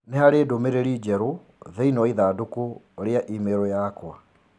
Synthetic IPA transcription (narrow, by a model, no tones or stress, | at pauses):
neɦaɾeːdomeɾeɾid͡ʒɛɾo | ðɛinɔiðaːdoko | ɾeaʔimeɾɔjaːkwa